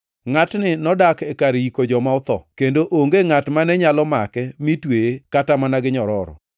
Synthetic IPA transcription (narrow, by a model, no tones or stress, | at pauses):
ŋatnɪnɔdakɛkaɾikod͡ʒɔmaʊt̪ɔ̰kendoʔoŋɡeŋatmanɛɲalɔmakɛmitweekatamanaɡɪɲɔɾɔɾɔ̰